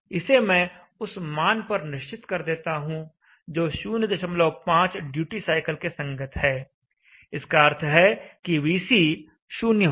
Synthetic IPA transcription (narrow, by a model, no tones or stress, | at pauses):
ɪsemɛ̃ː | ʊsmaːnpɐɾnɪʃt͡ʃɪt̪kɐɾd̪eːt̪aɦũ | d͡ʒoːʃuːnjəd̪ɪʃəmloːpãːt͡ʃɖjuːʈisaːɪkəlkesɐ̃ŋɡət̪ɦɛː | ɪskaɐɾt̪ʰɦɛkiʋiːsi | ʃuːnjə